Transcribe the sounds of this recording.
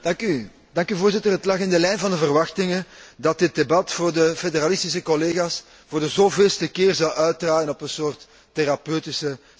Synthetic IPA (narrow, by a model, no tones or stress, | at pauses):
d̥ɑŋky | dɑŋkyvoːrzɪtərɦətlɑxɪndəlɛjnvɑndəvərʋɑxtɪŋədɑt̚dɪt̚debɑtfoːrdəfedəɾalɪstisəkɔleːɣaːs | voːrdəzoːveːlˠstəkɪːrzɑwʔœɥt̚draːjənɔpənsoːrtː | eɾɑpøːtɪsə